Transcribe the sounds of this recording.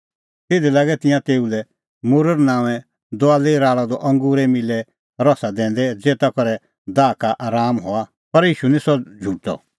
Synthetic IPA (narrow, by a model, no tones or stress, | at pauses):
t̪ɪd̪iɛlaːɡɛt̪ɪ̃jãt̪eːulɛ | mʊɾəɾnãːʋɛ̃ | d̪ɔaːleɾaːɭad̪ɔʔɐ̃ŋɡuːɾɛmɪlɛ | ɾɔsad̪ɛ̃ːnd̪ɛd͡zeːt̪akɔɾɛ | d̪aːkaʔaːɾaːmɦoa | pɐɾjiːʃunĩsɔd͡ʒʱuʈɔ̰